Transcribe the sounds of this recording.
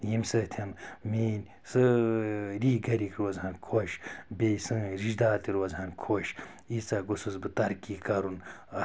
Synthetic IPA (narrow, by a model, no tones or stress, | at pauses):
jimsɨt̪ʰɐnmeːnʲ | sɨ | ɾiːɡɐɾikɾoːzɦɐnkʰoʃbejsɨ̃ːɾiʃd̪aːt̪iɾoːzɦɐnkʰoʃ | it͡saɡosɨzbɨt̪ɐɾkiːkɐɾun